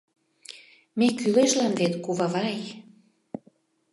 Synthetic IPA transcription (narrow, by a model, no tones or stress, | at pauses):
mekyleʃlɑnvet̪kuβavɑj